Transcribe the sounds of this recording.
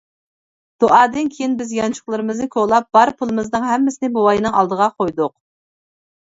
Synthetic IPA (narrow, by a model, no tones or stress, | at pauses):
d̪̥oʔɑːd̪ɨnkʲʰejinbɪzjɑnt͡ʃʰʊ̥χlˠɨɾɨmɨznɪkʲʰoʁlˠɑp̚b̥ɑɾpʰulˠɨmɨznɨŋɦɛmːɪsɪnɪbowɑjnɨŋɑlˠd̪əʁɑqʰojd̪ʊq̚